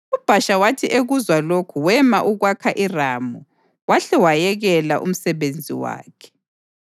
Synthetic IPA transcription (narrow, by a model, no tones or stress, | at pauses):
ub̥ʱaʃawatʰiʔeɣuzwalokʰuwɛmaʔuɣwakʰaʔiramu | waɬɛwajɛɣɛlaʔṵm̩sɛβend͡zʱḭwa̰ːkʰɛ̥